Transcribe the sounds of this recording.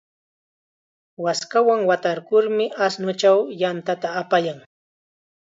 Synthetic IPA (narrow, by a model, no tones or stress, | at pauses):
waskawaŋwat̪aɾkʊɾmɪʔasnʊt͡ʃawjant̪at̪aːpajaŋ